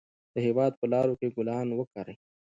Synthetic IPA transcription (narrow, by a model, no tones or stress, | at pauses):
d̪̥əɦewɑːd̪̚pəlɑːɾokeɡʊlɑːnwəkaɾe